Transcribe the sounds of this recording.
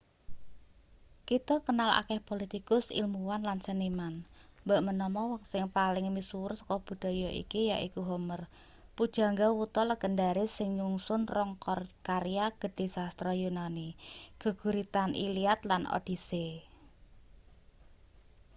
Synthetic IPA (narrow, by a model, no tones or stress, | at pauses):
kit̪ɔkənala̰kɛhpolit̪ikʊsḭlmuwanlansənimanmbaʔmənɔmɔwŋsɪŋpalɪŋmisuʊrsɔ̥kɔb̥ṳd̪̥a̤jɔʔḭkijaʔikuɦomər | pud̥ʒ̥a̤ŋɡawut̪ɔləɡ̥əndaɾesɪŋɲuŋsʊnrɔŋkɔrkaɾiaɡ̥ə̤d̥e̤sast̪ɾɔjunaniɡ̥ə̤ɡ̥ṳɾit̪anʔḭliat̪lanʔo̰d̥ise